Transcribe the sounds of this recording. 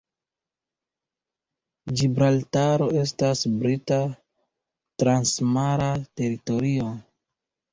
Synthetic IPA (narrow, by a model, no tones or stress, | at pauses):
d͡ʒibɾaltaɾo̞e̞s̬tasbɾita | tɾansmaɾate̞ɾito̞ɾio̞